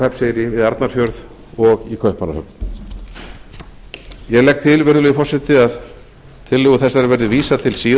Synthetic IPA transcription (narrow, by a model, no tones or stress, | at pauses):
hɛpsejɾɪvɪðaɾt̪naɾ̥fjœɾð | ɔɣikʰœhpanahœpn | jɛɣlɛk̚t̪ʰɪlvɪɾʏlɛjʏfɔrsɪht̪ɪað | t̪ʰɪlːɪɣʏθɛsːaɾɪɾvɛɾðɪviːsat̪ʰɪlsiːð